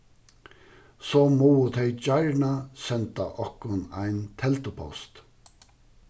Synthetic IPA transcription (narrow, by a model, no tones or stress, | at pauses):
soːmuːʊt̪hœʏd͡ʒɑɪɹɳɑsɛnt̪ɑʔɔkʊnæ̰ɪnt̪ʰɛlt̪ʊpʰɔ̰st̪